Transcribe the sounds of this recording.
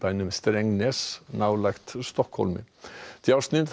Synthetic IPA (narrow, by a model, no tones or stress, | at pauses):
b̥æɪnəmɛst̪ɾɛŋneːsnɑʊlɑkt̪st̪ɔkhɔ̰lmɪ̰d̪̥iɑsnɪn